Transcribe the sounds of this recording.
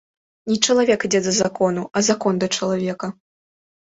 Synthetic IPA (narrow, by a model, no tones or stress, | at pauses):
nʲit͡ʂɐlˠavʲɛkid͡zʲɛd̪ɐzakɔnuɐzakɔnd̪ɐt͡ʂɐlˠavʲɛkɐ